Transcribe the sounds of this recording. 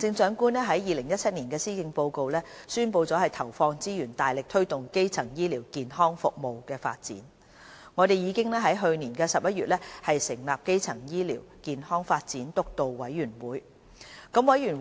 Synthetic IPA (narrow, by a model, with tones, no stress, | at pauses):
t͡sɪ˧ŋsœː˨˥ŋkuː˥nlɛː˥ɦɐ˨˥jjiː˨lɪ˨˩ŋjɐ˥t͡sʰɐ˥t̚niː˨˩nkɛː˧siː˥kɪ˧ŋpo˧wko˨˧wlɛː˥syː˥npo˧wt͡sɔː˨˥hɐ˨˩jt̪ʰɐ˨˩wfɔː˧ŋt͡siː˥jyː˨˩nt̪aː˨jlɪ˨k̚t̪ʰɵ˥ɥt̪ʊ˨ŋke˥jt͡sʰɐ˨˩ŋjiː˥liː˨˩wkiː˨nhɔː˥ŋfʊ˨k̚mo˨wkɛː˧fa̰ː˧t̚t͡sḭː˨˥n | ŋɔː˨˧t̪e˨jiː˨˧kɪ˥ŋlɛː˥ɦɐ˨˥jɦɵ˧ɥniː˨˩nkɛː˧sɐ˨p̚jɐ˥t̚ɥyː˨t̚lɛː˥hɐ˨jsɪ˨˩ŋlaː˨p̚ke˥jt͡sʰɐ˨˩ŋjiː˥liː˨˩wkiː˨nhɔː˥ŋfaː˧t̚t͡siː˨˥nt̪ʊ˥k̚t̪o˨wwɐ˨˥jɥyː˨˩nwuː˨˥j | kɐ˧˥mwɐ˨˥jyː˨˩n